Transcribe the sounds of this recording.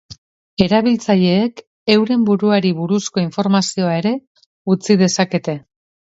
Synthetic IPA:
e̞ɾaβ̞ilt͡saʎe̞ːk | e̞wɾe̞mbuɾuaɾiβuɾusko̞iɱfo̞ɾmasio̞ae̞ɾe̞ | ut͡siðe̞sake̞t̪e̞

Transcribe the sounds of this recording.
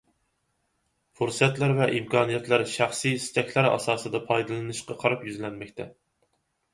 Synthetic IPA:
foɾsɨjɛt̪læɾvɛʔimkʰɑːnijɛt̪ʰlæɾʃæχsijst͡ʃ̪ɛkʲlæɾɑ̰sɑːsɨd̪ɑpʰɑjd̪ɨlˠɨnɨʃqɑqʰɑɾɑpjyzlɛnmɛkʲt̪ʰɛ

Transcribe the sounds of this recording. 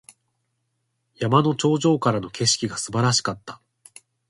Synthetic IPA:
jamano̞t͡ɕo̞ːʑo̞ːkaɾano̞ke̞ɕi̥kʲiɡasɨbaɾaɕi̥kat̪ːa

